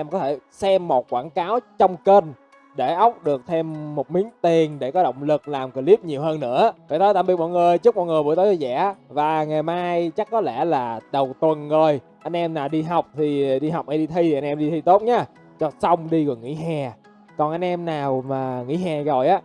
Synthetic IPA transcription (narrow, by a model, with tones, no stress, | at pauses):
ʔɛ˧mkɔ˨˦t̪ʰe˧˩sɛ˧mːo˨˩t̚kwaː˧˩nkaː˨˦wt͡ɕɔ˧wŋ͡mke˧n | ɗe˧˩ʔə˦˥wk͡p̚ɗɨ˨˩ək̚t̪ʰe˧mːo˨˩t̚mi˨˦əŋt̪i˨˩ənɗe˧˩kɔ˨˦ɗo̰˧˨wŋ͡mlɨ˨˩k̚laː˨˩mki˧˩li˦˥p̚ɲi˨˩əwɦəː˧nːɨ̰˧˥əfaː˨˧˨t̪ʰə˨˦jt̪aː˧˩mɓi˨˩ət̚mɔ̰˧˨jŋɨ˨˩əjt͡ɕɨ˦˥k̚mɔ̰˧˨ŋɨ˨˩əmṵ˧˥˦jt̪ə˨˦zzɛ̰˧˥vaː˨˩ŋa˨˩jmaː˧jt͡ɕa˦˥k̚kːɔ˨˦lɛ̰˧˩laː˨˩ɗə˨˩wt̪wə˨˩nzo˨˩j | ʔa˧jn̟ʔɛ˧mnaː˨˩wɗi˧ɦa˨˩wk͡p̚t̪ʰi˨˩ɗi˧ɦa˨˩wk͡p̚ʔa˧˦ɗi˧t̪ʰi˧˨ʔa˧nʔɛ˧mɗi˧i˧t̪o˦˥t̚ɲaː˨˦˥ | t͡ɕɔ˧sa˧wŋ͡mɗi˧ɣo˨˩jŋḭ˧˥ɦɛ˨˩ | kɔ˨˩nʔa˧jnʔɛ˧mnaː˨˩wmaː˨˩ŋḭ˧˥ɦɛ˨˩zo˨˩jʔaː˨˦˥